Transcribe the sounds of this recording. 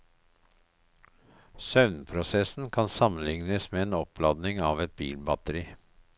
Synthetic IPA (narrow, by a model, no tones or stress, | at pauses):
sœʋnpʰɾʊsɛsn̩kʰɑnsɑmən̩lɪŋnəsmeːeːnɔplɑd̪nɪŋɑːʋɛt̪̚bḭːlbɑt̪əɾiː